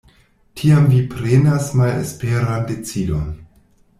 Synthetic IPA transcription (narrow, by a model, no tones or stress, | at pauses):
tʰiamvipɾenasmalḛspeɾande̞t͡sidon